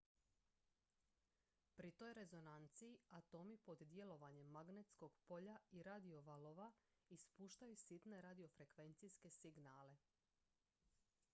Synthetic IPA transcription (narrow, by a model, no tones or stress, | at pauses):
pɾit̪o̞jɾe̞zo̞nant̪sijiat̪o̞mipo̞d̪d̪je̞lo̞ʋaɲe̞mːaɡne̞t̪sko̞ɡ̥po̞ʎaiɾad̪io̞ʋaloʋaispuːʃt̪ajusit̪ne̞ɾad̪io̞fɾe̞kʋe̞nt̪siske̞siɡnaːle̞